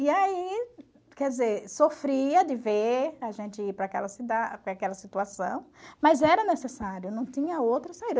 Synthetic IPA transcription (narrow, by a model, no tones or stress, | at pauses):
iai | kɛd̪ɪzeɾsofɾiɐd̪ɪveaʒẽnt͡ʃ̪ɪipɾɐakɛ̰lɐsid̪apɾakɛlɐsit̪uasɐ̰̃w̃mɐzɛɾɐnesesaɾjʊnɐ̃w̃t̪ĩɲɐowt̪ɾɐsaid̪